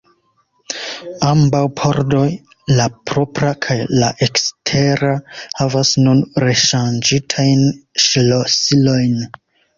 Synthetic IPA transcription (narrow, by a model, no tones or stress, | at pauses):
ambawpʰoɾdo̞j | lapɾo̞pɾakʰajla̰ʔekstʰe̞ɾahavasnunɾe̞ʃand͡ʒitʰajnʃlosilo̞jn